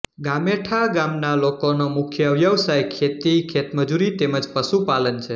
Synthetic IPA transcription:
ɡameʈʰaɡamnalokonomʊkʰjəʋjəʋsajkʰet̪ikʰet̪məd͡ʒuɾit̪eməd͡ʒpəʃupalənt͡ʃʰe

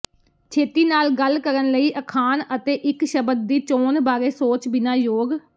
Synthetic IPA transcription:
t͡ʃʰeːt̪iːnaːlɡəlkəɾənləiːʔəkʰaːnət̪eːʔɪkʃəbəd̪̚d̪iːt͡ʃoːnbaːɾeːsoːt͡ʃbɪnaːjoːɡ

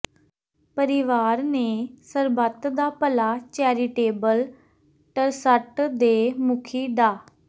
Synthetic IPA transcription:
pəɾɪʋaːɾneːsəɾbət̪d̪aːpəlaːt͡ʃɛːɾiːʈeːbəl | ʈəɾsəʈd̪eːmʊkʰiːɖaː

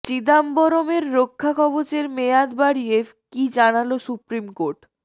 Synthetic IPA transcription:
t͡ɕid̪ambɔɾomeɾːokʰːakʰɔbot͡ɕeɾmead̪baɽie | kid͡ʑanalosupɾimkoɾʈ

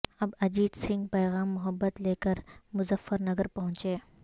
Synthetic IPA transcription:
ɐbɐd͡ʒiːd̪sɪ̃ŋɡpɛːɣaːmːʊɦəbːət̪leːkəɾmʊzəfːəɾnɐɡəɾpɐɦʊ̃t͡ʃeː

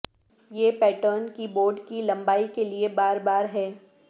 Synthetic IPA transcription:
jeːpɛːʈəːnkiboːɾɖkilɐ̃mbaːikeliebaːɾbaːɾɦɛː

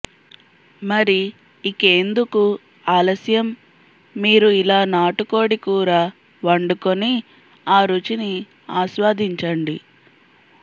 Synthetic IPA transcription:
mɐɾi | ike̞ːnd̪uku | aːlɐsjɐmː | iːɾuilaːnaːʈuko̞ːɽikuːɾaː | ʋɐɳɖukoni | aːɾut͡ʃini | aːʃʋaːd̪iɲt͡ʃɐɳɖi

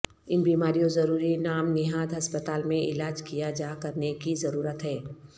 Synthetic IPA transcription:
ɪnbiːmaːɾijõzɐɾuːɾinaːmnɪɦaːd̪ɦɐspət̪aːlmẽʔɪ̰laːd͡ʒkijad͡ʒaːkɐɾnekizɐɾuːɾət̪ɦɛː

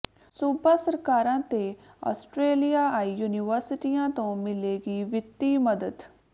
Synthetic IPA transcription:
suːbaːsəɾkaːɾãːt̪eː | ɔ̰ːsʈɾeːlijaːaːiːjuːnɪʋəɾsɪʈijãːt̪õːmɪleːɡiːʋɪt̪ːiːməd̪əd̪

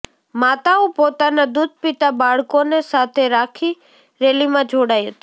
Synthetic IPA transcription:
maːt̪aũːpoːt̪anad̪ud̪ʱpɪt̪abaːɭkonesaːt̪ʰeɾaːkʰi | ɾeːlimãd͡ʒʱoːɽaːjɦət̪ː

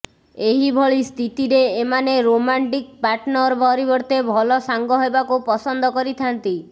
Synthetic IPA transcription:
eɦibʱɔɭist̪ʰit̪iɾeːmaneɾomaɳʈik̚paɾʈnɔɾbʱɔɾibɔɾt̪ebʱɔlɔsaŋɡɔɦebakupɔsɔnd̪ɔkɔɾit̪ʰant̪i

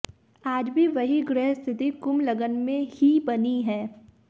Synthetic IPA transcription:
aːd͡ʒbʱiʋɐɦiɡɾɛːɦst̪ʰɪt̪ikʊmlɐɡənmẽhibɐniɦɛ̃ː

